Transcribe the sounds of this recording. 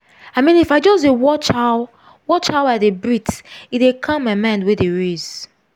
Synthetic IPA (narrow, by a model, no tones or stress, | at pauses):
aɪmĩnifaɪd͡ʒɔsdewɔt͡ʃaʊ | wɔt͡ʃhaʊadebɹitidekʰãmamãɪ̃ndwedeɹez̥